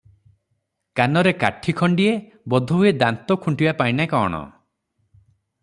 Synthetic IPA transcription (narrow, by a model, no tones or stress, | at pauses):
kanɔɾeka̰ʈʰikʰɔɳɖie | bɔd̪ʱɔɦued̪ant̪ɔkʰuɳʈibapajnakɔːɽ̃ɔ̰